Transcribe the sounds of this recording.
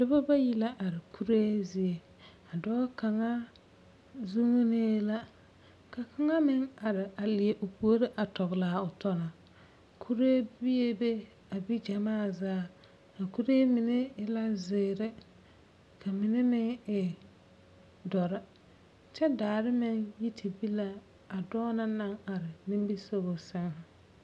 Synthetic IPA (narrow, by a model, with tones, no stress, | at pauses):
dʊ˦ba˦ba˦ji˦la˦ʔa˨ɾɪ˨ku˦ɾe˦zi˨e˨ | a˨dɔː˦ka˨ŋa˦ | zu˦ŋ˦ne˦la˦ | ka˨kʰa˦ŋa˦mɪ˦ŋa˨ɾɪ˨a˨lɪ˨e˨ʔʊ˨pu˨˦o˦ɾɪ˦ʔa˨tɔ˨ɣlaː˨˦ʊ˨tɔ˦na˨ | kʰu˦ɾe˦bi˦e˦be˦ | a˨bi˦d͡ʒa˨maː˦˨zaː˦ | ka˨ku˦ɾeː˦mɪ˨ne˦ɪ˦la˦zɪː˨ɾɪ˦ | kʰa˨mɪ˨ne˦mɪ˦ŋɪ˨ | dɔ˨ɾɪ˦ | t͡ʃɛ˦daː˨ɾɪ˦mɪ˦ŋji˦tʰi˨bi˦la˦ | a˨dɔː˦na˦na˦ŋa˨ɾɪ˨mɪ˦m˦bi˦so˦bo˨sɪ˦ŋh